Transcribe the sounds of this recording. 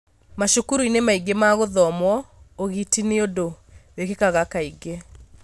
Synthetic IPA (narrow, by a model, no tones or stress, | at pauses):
maʃukuɾuinemaiɡemaɣoðɔmwɔoɣitineodo | wekekaɣakaiɡe